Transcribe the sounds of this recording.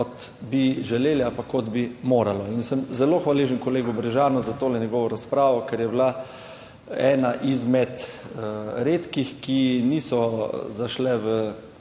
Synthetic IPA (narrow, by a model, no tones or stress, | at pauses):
kɔt̪biʒɛleːliapakːɔd̪bimoːɾalɔinsəmzɛloːxʋaleːʒənkɔleːɡubɾɛʒaːnɔzat̪oːlɛnjɛɡɔːʋɔɾaspɾaːʋɔkɛɾjɛbla | ɛ̰ːnaʔizmɛt̪ | ɾeːt̪kixkiniːsɔzaʃlɛʋə